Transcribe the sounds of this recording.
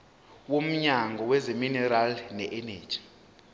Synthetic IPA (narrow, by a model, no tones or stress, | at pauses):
wom̩ɲaŋɡʱɔwɛzeminɛɾalnɛʔɛne̥ːd͡ʒ̥i̥